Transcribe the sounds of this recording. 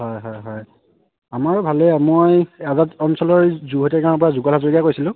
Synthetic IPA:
ɦɔjɦɔjɦɔj | amaɹbʱalɛmojɛzatɔnsɔlɔɹzuɦotɛkaɹnɔp̬ɔɹazuɡɔlazoɹɡijakojsilʊ̃

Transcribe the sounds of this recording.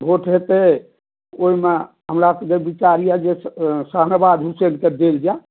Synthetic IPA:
bʱoʈʰɦet̪e | oime | ɦəmɾaked͡ʒebit͡ʃaɾijad͡ʒesəɦnəbad̪ɦuselked̪eld͡ʒa

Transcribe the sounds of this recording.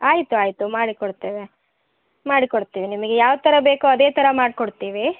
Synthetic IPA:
aːjit̪uaːjit̪umaːɽikoɽt̪eːʋe | maːɽikoɽt̪iːʋinimɐɡejaːʋt̪ɐɾɐbe̞ːkuɐd̪e̞ːt̪ɐɾɐmaːɽkoɽt̪iːʋi

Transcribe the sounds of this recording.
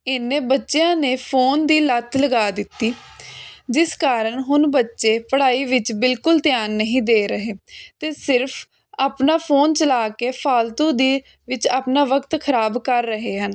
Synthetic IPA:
ɪnẽːbətːʃejãːneːpʰoːnd̪iːlət̪ʰləɡaːd̪ɪt̪ːiː | d͡ʒɪskaːɾəɳɦʊnbətːʃeːpəɽaːiːʋɪt͡ʃbɪlkʊlt̪ɪjaːnːəɦĩːd̪eːɾəɦeːt̪eːsɪɾpʰ | aːpnaːpʰoːnt͡ʃəlaːkeːpʰaːlt̪õːd̪iː | ʋɪt͡ʃaːpnaːʋəkt̪kʰəɾaːbkəɾːəɦeːɦən

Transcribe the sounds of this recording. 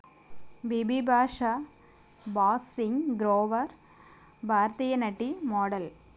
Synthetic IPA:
ʋibibʱaːʂa | baːsɪŋɡɾoːʋɐɾ | bʱaːɾt̪ijɐnɐʈːimoːɽɐl

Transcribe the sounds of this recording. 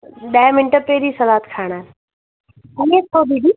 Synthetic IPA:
ɗɐ̃mɪnʈəpeːɾisɐlaːt̪kʰaːɽ̃a | iẽt̪ʰobiɖiː

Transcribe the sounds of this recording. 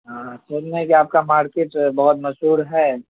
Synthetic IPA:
ɦãsɐlnekiaːp̚kamaːɾkeːʈbɐɦʊt̪mɐsuːɾɦɛː

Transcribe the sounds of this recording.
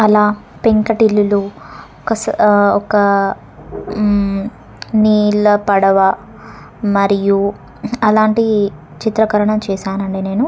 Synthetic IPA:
ɐlaːpeŋkɐʈilːuluɔkɐsɔkɐ | niːlɐpɐɽɐʋɐ | mɐɾiju | ɐlaːɳʈi | t͡ʃit̪ɾɐkɐɾɐɳɐmt͡ʃɛːsaːnɐɳɖeːne̞ːnu

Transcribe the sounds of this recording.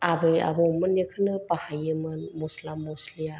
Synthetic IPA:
abɯja̰bɔmɯnjekʰɯnɯpahajɯmɯnmɔslamːɔslija

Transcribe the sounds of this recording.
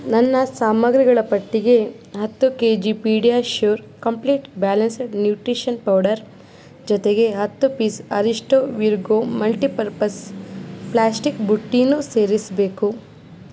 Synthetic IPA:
nɐnːɐsaːmɐɡɾiɡɐɭɐpɐʈːiɡe̞ | ɦɐt̪ːukeːd͡ʒipiːɖijaːʃoːɾkɐmpliːʈbaːlɐnsɐɖnjuːʈɾiʃɐnpɐwɖɐɾ | d͡ʒɔt̪eɡe̞ɦɐt̪ːupiːsɐ̰ɾiʂʈoʋiɾɡoːmɐlʈipɐɾpɐsplaːsʈikbuʈːinːuse̞ːɾisɐbe̞ːku

